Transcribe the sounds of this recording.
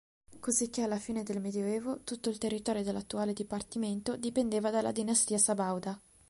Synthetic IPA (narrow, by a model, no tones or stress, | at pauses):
kozik̟ːealːafiːned̪elmed̪joɛːvot̪ut̪ːoilt̪erːit̪ɔːɾjod̪elːat̪ːuaːled̪ipart̪iment̪od̪ipend̪eːvad̪alːa̰d̪inast̪iːasabawd̪a